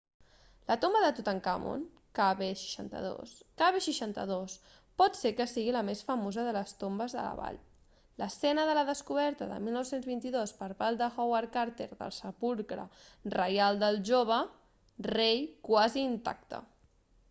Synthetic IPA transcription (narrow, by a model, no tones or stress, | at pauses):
lət̪ombəðət̪ut̪aŋkamo̰n | kaβeʃi̥ʃa̰nt̪ə̰ðo̰skaβeʃiʃant̪ə̰ðos | pɔt̪sekəsiɣiləmesfəmozəðələst̪ombəzðə̰lə̰βa̰ʎ | ləsɛnəðələðəskuβ̞ɛɾt̪əðə̰milˠnɔwsenzβint̪iðospəɾpald̪əxowaɾkaɾt̪ḛɾðə̰lˠsəpulˠkɾə̰rəjalˠd̪əlˠʒoβ̞ə | rejkwaziːnt̪a̰k̚t̪ə̰